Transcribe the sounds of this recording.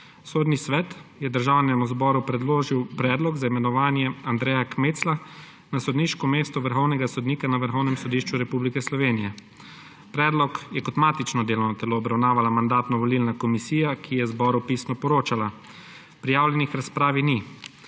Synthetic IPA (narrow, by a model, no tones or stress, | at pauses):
soːd̪nisʋɛt̪jɛd̪əɾʒaːwnɛmuzbɔːɾupɾɛd̪loːʒiwpɾɛːd̪lɔɡzaimɛnɔʋaːnjɛand̪ɾɛːjakmeːt̪sla | nasɔd̪niːʃkɔmeːst̪ɔʋəɾxɔwnɛɡasɔd̪niːkanaʋəɾxɔwnɛmsɔd̪iːʃt͡ʃuɾɛpublikɛslɔʋeːnijɛ | pɾɛːd̪lɔkjɛkɔt̪maːt̪it͡ʃnɔd̪eːlɔwnɔt̪ɛloːbɾawnaːʋalamand̪aːt̪nɔʋɔlilnakɔmisiːjakʰijɛzbɔɾupisnɔpɔɾoːt͡ʃala | pɾijaːwlʲjɛnixɾaspɾaːʋini